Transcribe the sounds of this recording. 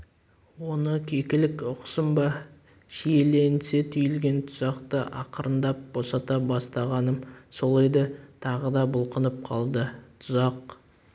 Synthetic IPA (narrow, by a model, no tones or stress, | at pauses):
wo̞nəkʲʰe̞kʲɪlɪkʊqsəmbɑ | ʃijele̞nset̪ʰʏjɪlɡʲe̞nt̪ʰʊzɑqt̪əʔɑqəɾənd̪ɑp̚b̥o̞sɑt̪ɑbɑst̪ɑʁɑnəmso̞lˠejd̪ət̪ʰɑʁəd̪ɑbʊlˠqənəp̚qʰɑlˠd̪ət̪ʰʊzɑq